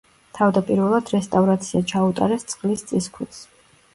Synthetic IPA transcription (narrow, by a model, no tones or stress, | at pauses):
t̪ʰavd̪apʼiɾvɛlˠad̪ɾɛst̪ʼavɾat̪sʰiat͡ʃʰaut̪ʼa̰ɾɛst̪sʼqχʼlist̪sʼiskʰwɛs